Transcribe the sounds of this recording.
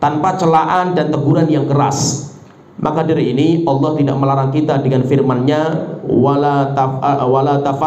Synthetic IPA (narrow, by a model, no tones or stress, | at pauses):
t̪anpat͡ʃəlaʔandant̪əɡuɾanjaŋkəɾa̰s | mʔakadiɾiiniʔɑlˠːɑht̪ida̰ʔməlaɾaŋkit̪adəŋanfirmanɲawalat̪awalat̪afa